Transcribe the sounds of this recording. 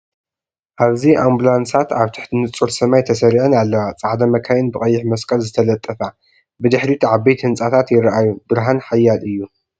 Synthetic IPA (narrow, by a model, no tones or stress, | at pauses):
ʔaβziʔambulansat̪aβt̪ʰɨ̥ħt̪ʰinɨt͡sʼuɾsɐmajt̪ʰɐsɐɾiʕɨnalːɐwat͡sʼaʕd̪ɐmɐkʰajɨnbɨkʼɐjːɪħmɐskʼɐlzɨt̪ʰɐlɐt̪ʼːɐfa | bɨd̪ɨħɾit̪ʰuʕaβbejt̪hɨnt͡sʼat̪ʰat̪jɪɾʔajubɨɾɦanħajːalɨjːu